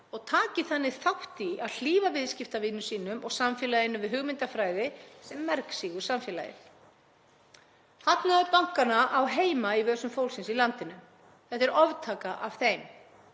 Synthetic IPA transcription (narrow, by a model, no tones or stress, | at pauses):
ɔɣt̪ʰaːcɪθanːɪθawht̪iaðl̥iːvavɪðscɪft̪avɪnʏsiːnʏmʔɔɣsamfjɛlajɪnʏvɪðɦʏɣmɪnt̪afɾaːjðɪsɛmːɛɾksiɣʏɾ̥samfjɛːla̰jɪ̰ɾ | hat̪naʏpawŋ̥kanaʔawɦeːjmaivœːsʏmfowlsɪnsilant̪ɪnʏm | θɛht̪ɛɾɔvt̪ʰaːkaʔav̥θejm